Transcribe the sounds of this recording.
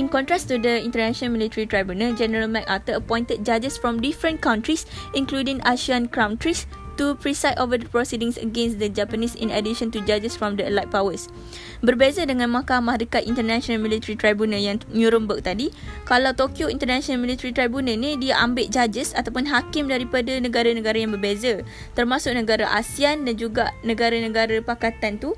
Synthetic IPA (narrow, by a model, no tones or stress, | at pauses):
ʔĩnkɔ̃nt̪ɾast̪udəĩnt̪ərnãʃə̃nmilit̪əɾit̪ɾajbjunad͡ʒɛnəɾalmãk̚at̪əəpɔ̃j̃nt̪ət̪̚d͡ʒad͡ʒəsfɾɔmdifɾə̃nkaw̃nt̪ɾisʔĩnkludĩŋaʃiãnkɾãw̃nt̪ɾis | t̪upɹisajtovədəpɹɔsidĩŋsə̰ɡɛ̃nsdəd͡ʒapənĩsḭ̃nədiʃə̃nt̪ud͡ʒad͡ʒəsfɾɔ̃mdəəlajt̚pawəs | bərbezadəŋãnmãkamãɦɾikat̪ʔint̪ərnaʃɔnalmĩlit̪əɾit̪ɾajbunajaŋnuɾəmbək̚t̪adi | kalawt̪okjoḭnt̪ərnaʃɔnalmĩlit̪əɾit̪ɾajbunãnĩdiaʔambeʔ̚d͡ʒad͡ʒəsat̪awpʊnɦakɪmdaɾipadanə̃ɡaɾanə̃ɡaɾajaŋbərbeza | t̪ərmãsʊk̚nə̃ɡaɾaʔasiandand͡ʒuɡa̰ʔnə̃ɡaɾanə̃ɡaɾapakat̪ant̪u